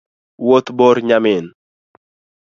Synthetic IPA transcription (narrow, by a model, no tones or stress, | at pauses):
wot̪bɔɾɲamɪn